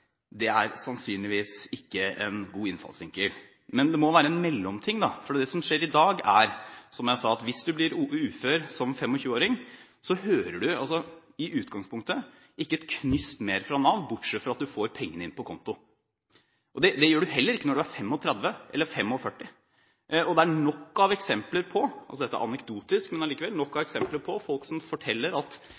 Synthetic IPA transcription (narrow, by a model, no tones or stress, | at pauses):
d̪ɛæɾsɑnsyːnlɪʋiːsɪkːəɛ̰nɡuːɪnfɑ̰lsʋɪŋkəl | mɛnd̪ɛmɔʋæːɾəɛnmɛlːɔmt̪ʰɪŋd̪ɑfɔɖiːd̪ɛsɔmʂeːɾɪd̪ɑːɡæ̰ɾsɔmjæɪsɑɑt̪ʋɪsd̪ʉblɪɾʉːføːɾsɔmfɛmːɔçʉːəoːɾɪŋ | sɔhøːɾəɖʉɑlsɔ | ɪʔʉːt̪ɡɑŋspʰʊŋk̚t̪ə | ɪkːəɛt̪kʰnʏst̪meːɾfɾɑnɑʋ̪bʊʈʂɛt̪ːfɔɾɑt̪̚d̪ʉfoːɾpʰɛŋːənəɪ̰npʰɔkʰɔnt̪ʊ | ʔɔd̪ɛd̪ɛjøːɖʉɦɛlːəɾɪkːənɔɖʉæɾfɛmːɔt̪ʰɾɛd̪ʋəʔɛ̰lːəɾfɛmːɔfœʈːɪ | ɔd̪ɛæɳɔkːɑʋɛksɛmpləɾpʰɔɑ̰lsɔd̪ɛt̪ːəæ̰ʔɑnɛkd̪uːt̪ɪskmɛnɑliːkəʋɛlnɔkːɑʋɛksɛmpləɾpʰɔfɔlksɔmfɔʈʰɛlːəɾɑt̪